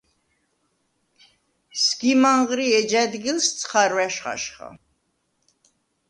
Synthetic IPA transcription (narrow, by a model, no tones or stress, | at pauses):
sɡ̥imaɴʁɾiɛd͡ʒad̪ɡilst̪sʰχaɾvæʃχa̰ʃχa̰